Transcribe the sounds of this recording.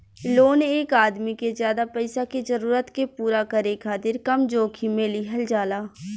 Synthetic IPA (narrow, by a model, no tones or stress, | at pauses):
loːneːkaːd̪mikezjaːd̪apɛɪsakizəɾuːɾət̪kepuːɾakəɾeːkʰːaːt̪ɪɾkɐmd͡ʒoːkʰimẽːliɦɐld͡ʒaːlaː